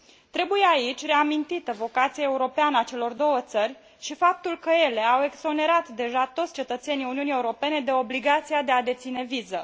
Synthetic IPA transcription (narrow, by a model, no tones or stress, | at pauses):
t̪ɾe̞buje̞ait͡ʃʲre̞amint̪it̪əvo̞kat̪siaeuɾo̞peanəat͡ʃe̞lo̞rd̪o̞wət̪sərʲ | ʃifap̚t̪ulkəje̞le̞awe̞ɡzo̞ne̞ɾat̪d̪e̞ʒat̪ot̪sʲt͡ʃe̞t̪ət̪se̞nijuniunie̞uɾo̞pe̞ne̞d̪e̞o̞bliɡat̪siad̪e̞ad̪e̞t̪sine̞vizə